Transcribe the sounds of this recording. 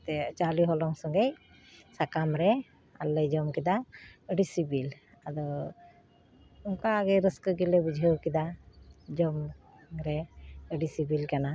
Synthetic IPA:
t̪ɛt͡ʃaliɦɔlɔŋsɔŋɡej | sakamɾɛ | a̰lːəjd͡ʒɔmkid̪aəɖisibil | ad̪ɔ | uŋkaːɡɛjɾəskəɡilɛbud͡ʒʱəwkid̪ad͡ʒɔm | ɾɛəɖisibilkana

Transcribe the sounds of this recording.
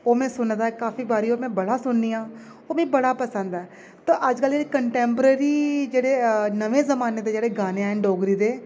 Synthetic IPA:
oːmɛ̃ːsʊnd̪aːɛkaːfiːbaːɾiːoːmɛ̃ːbəɽaːsʊnniːãː | oːmɛ̃ːbəɽaːpəsənd̪ɛː | t̪õːʔəd͡ʒkəld͡ʒeːeːkəɳʈɛ̃ːmpəɾeːɾiːd͡ʒeːɽeːnəʋẽːzəmaːneːd̪eːd͡ʒeːɽeːɡaːneɛɛ̃ːɖoːɡɾiːd̪eː

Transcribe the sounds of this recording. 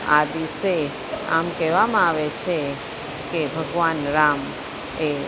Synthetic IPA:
a̰d̪iʃe | a̰mkɛʋamãaʋet͡ʃʰe | kebʱəɡʋanɾam | e

